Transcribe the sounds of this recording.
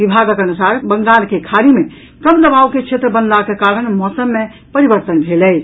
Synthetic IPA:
ibʱaɡkənusaɾbəŋɡalkekʰaɾime | kəmd̪əbaʋket͡ʃʰet̪ɾəbənlakekaɾəɳmɔsəmːe | pəɾibəɾt̪ənbʱelɛj

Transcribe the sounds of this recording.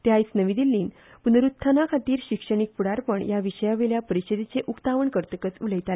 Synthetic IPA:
t̪jait͡snəʋid̪ilːiːn | punəɾut̪ʰːanakʰat̪iːɾɕikʂəɳ̃ik̚puɽaɾpəɳjaʋiʂəjaʋeljapəɾiɕəd̪it͡seʔukt̪aʋəɳkəɾt̪əkət͡suləjt̪ale

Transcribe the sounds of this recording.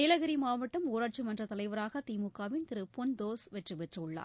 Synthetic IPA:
ɪlɐɣɪɾimaːʋɐʈːɐmuːɾaːʈ̚t͡ʃɯmɐndrɐt̪ɐlɐɪʋɐɾaːɣɐt̪iːmʊkːaːʋɪnt̪ɪɾɯpːɔnd̪oːsʋɛʈrɯʋɛʈrɯʊɭːa̰ːɾ

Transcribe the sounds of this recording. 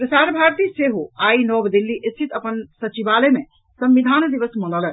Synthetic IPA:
pɾəsaɾbʱaɾt̪iseɦoainɔbd̪ilːiʔest̪ʰit̪əpənsət͡ʃibaleme | səmʋid̪ʱand̪iʋəsmənɔlə

